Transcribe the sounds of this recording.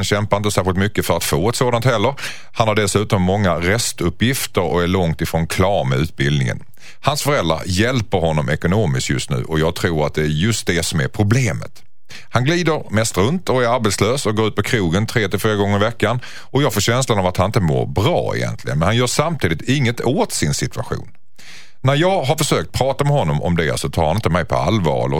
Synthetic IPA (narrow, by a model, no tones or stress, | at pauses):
nɕɛmpaɾɪnt̪əsæːɾɧɪlt̪mʏkːəfœɾat̪foːɛt̪soːd̪ant̪hɛlːəɾ | hanhaɖɛsʉ̟ːt̪ɔmːɔŋːaɾɛst̪ɵpːjɪft̪əɾɔ̰æɭɔŋt̪ɪfɾoːnkʰlɑːɾmɛʉ̟ːt̪̚bɪld̪nɪŋə̰n | hansfœɾɛld̪ɾa̰ɾjɛlpəɾhɔnːɔmʔɛkʊnoːmɪskjɵ̰st̪nʉ̟̰ːʔɔjɑːɡ̚t̪ʰɾuːɾat̪̚d̪ɛæɾjɵst̪̚d̪ɛsɔmæɾpʰɾʊbleːmə̰t̪ | hanɡliːd̪əɾmɛst̪ɾɵnt̪ɔæɾaɾbeːt̪sløːsɔɡoːɾʉ̟ːt̪pʰɔkʰɾuːɡənt̪ʰɾeːt̪ɪlfiːɾaɡɔŋːəɾɪvɛkːan | ʔɔjɑːɡfoːɕɛnslanavat̪hanɪnt̪əmo̰ːɾbɾɑ̰ːɪ̰jɛ̰nt̪lɪɡənmɛnhanjœːʂamt̪ʰiːd̪ɪt̪ɪŋːət̪ʰoːt̪sɪnsɪt̪ɵaɧṵːnː | æɾjɑːɡɦaɾfœʂøːk̚t̪̚pʰɾɑːt̪amɛhɔnːɔmɔ̰md̪ɛ̰sɔt̪ʰɑːhanɪnt̪əmɛjpʰɔ̰a̰lvɑ̰ːɾɔ